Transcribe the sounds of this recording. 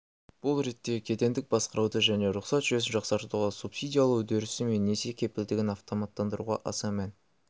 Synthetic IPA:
b̥ʊlˠɾe̞t̪ːe̞kʲʰe̞t̪e̞nd̪ɪk̚bɑsqəɾɑwd̪əʒæne̞ɾʊqsɑt̪ʒʏezɪnʒɑqsɑɾt̪uʁɑsupsijd̪ʲijalˠəwɵd̪eɾɪsɪme̞nːese̞kʲʰe̞pɪld̪ɪɡʲɪnɑft̪o̞mɑt̪ːɑnd̪əɾṵʁɑʔɑsɑmæn

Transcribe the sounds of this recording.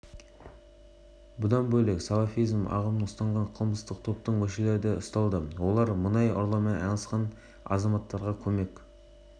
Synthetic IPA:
bʊd̪ɑnbɵjlˠeksɑlˠɑfijzmɑ̰ʁəməɴʊst̪ɑɴʁɑɴqʰəlˠməst̪əq̚t̪ʰo̞p̚t̪əɴwɵʃeleɾd̪eʊst̪ɑlˠd̪əwo̞lˠɑɾmʊnɑjo̰ɾlˠɑmɑɑnɑsqɑn | ɑ̰zɑmɑt̪ːɑɾʁɑkʲʰɵme̞kʲ

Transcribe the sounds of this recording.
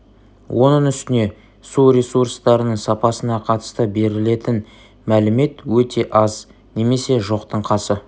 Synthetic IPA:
wʔonəɴʏst̪ɪne̞ | suɾʲe̞surst̪ɑɾənəɴsɑpɑsənɑqʰɑt̪ə̥st̪əbe̞ɾɪle̞t̪ɪn | mælɪme̞t̪wɵt̪ʰe̞ʔɑz | ne̞me̞se̞ʒo̞qt̪ʰəɴqʰɑsə

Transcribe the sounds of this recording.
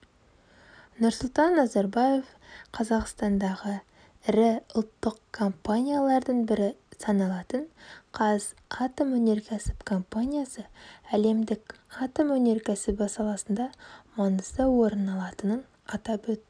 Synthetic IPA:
nʊɾsʊlˠt̪ɑnːɑzɑɾbaje̞v | qʰɑzɑqst̪ɑnd̪ɑʁə | ɪɾɪʊlˠt̪ːəqkʰːo̞mpanʲijalˠɑɾd̪əɴbɪɾɪsɑnɑlˠɑt̪əɴqʰɑz | ɑt̪omwɵne̞ɾkʲʰæsɪ̥pkʰo̞mpanʲijasəæle̞md̪ɪkɑt̪omwɵne̞ɾkʲʰæsɪpɑsɑlˠɑsənd̪ɑmɑnəsəwo̞ɾənɑlˠɑt̪ənən | ɑt̪ɑpwɵt̪ːɪ

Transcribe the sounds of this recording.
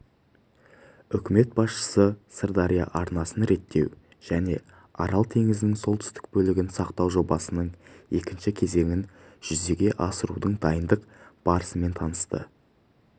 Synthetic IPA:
ʏkʲɪme̞t̪̚bɑsʃə̥səsəɾd̪ɑɾija̰ʔɑɾnɑsənɾe̞t̪ːe̞̰w | ʒ̥æne̞ | ɑɾɑlˠt̪ʰe̞ŋɪzɪnɪŋso̞lˠt̪ʰʏ̥st̪ɪ̥k̚bɵlɪɡʲɪnsɑqt̪ɑwʒo̞bɑsənəɴe̞kʲɪnʃɪkʲʰe̞ze̞ŋɪn | ʒ̥ʏze̞ɡʲe̞ʔɑsəɾṵd̪əɴd̪ɑjənd̪əqb̥ɑɾəsəme̞nt̪ʰɑnəst̪ə̰

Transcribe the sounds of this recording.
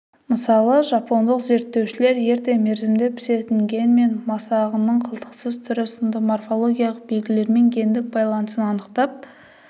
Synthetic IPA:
məsɑlˠəʒɑpo̞nd̪əqze̞ɾt̪ːe̞wʃɪle̞ɾje̞ɾt̪e̞me̞ɾzɪmd̪epʰʏ̥se̞t̪ɪŋɡʲe̞nme̞nmɑsɑʁənəɴqʰəlˠt̪ə̥qsəzt̪ʰʏɾɪsɪnd̪əmorfo̞lˠo̞ɡʲijɑlˠəq̚be̞lɡʲɪle̞ɾme̞ŋɡʲʰe̞nd̪ɪk̚bɑjlˠɑnəsənɑnəqt̪ɑp̚

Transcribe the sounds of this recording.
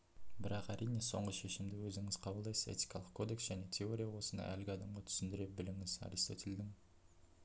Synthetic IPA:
bɪɾɑqæɾʔijne̞so̞̰ɴʁəʃe̞ʃɪmd̪ɪwɵzɪŋɪz̥qʰɑbəlˠd̪ɑjsə̥ḛt̪i̥jkʰɑlˠəqkʰo̞d̪e̞ksʒ̥æne̞t̪ʰe̞o̞ɾʲijawo̞sənd̪ɑ̰ʔælɡʲɪɑd̪ɑmʁɑt̪ʰʏ̥sɪnd̪ɪɾe̞p̚bɪlɪŋɪzɑ̰ɾist̪o̞t̪ɪld̪ɪŋ

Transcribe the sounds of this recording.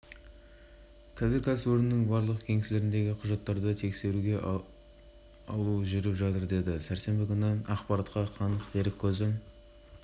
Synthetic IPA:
kʲʰæzɪɾkʲʰæsɪpɵɾɪnːɪŋbɑɾlˠəqkʲʰe̞ŋesle̞ɾɪnd̪e̞ɡʲɪqʰʊʒɑt̪ːɑɾd̪ət̪ʰe̞kse̞ɾuɡʲe̞ | ɑ̰lˠuʒʏɾɪpʒɑt̪əɾd̪e̞d̪ɪsæɾse̞mbɪkʲʰʏnəɑqpɑɾɑt̪qɑqʰɑnəqd̪ʰe̞ɾɪkʲʰːɵzɪm

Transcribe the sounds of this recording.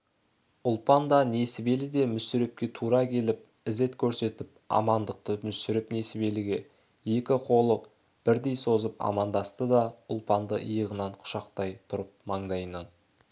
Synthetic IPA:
ʊlˠpɑnd̪ɑnesɪbe̞lɪd̪e̞mʏsʏɾe̞p̚kʲe̞t̪ʰuɾɑkʲʰe̞lɪp̚ | ɪze̞t̪kʲʰɵɾse̞t̪ɪp̚ | ɑ̰mɑnd̪əq̚t̪əmʏsʏɾɪpne̞sɪbe̞lɪɡʲe̞ | je̞kʲɪqʰo̞lˠəq̚ | b̥ɪɾd̪e̞jso̞zəpɑ̰mɑnd̪ɑst̪əd̪ɑʊlˠpɑnd̪əʔəjəʁənɑɴqʰʊ̥ʃɑqt̪ɑjt̪ʰʊɾəp̚mɑɴd̪ɑjənɑn

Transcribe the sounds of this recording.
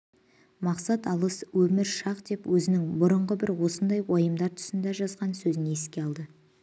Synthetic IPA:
mɑqsɑt̪ɑlˠəswɵmɪɾʃɑqd̪e̞pwɵzɪnɪŋbʊɾəɴʁəbɪɾwo̞sənd̪ɑjwojəmd̪ɑɾt̪ʰʏ̥sɪnd̪æʒɑzʁɑnsɵzɪneeskʲe̞ɑlˠd̪ə

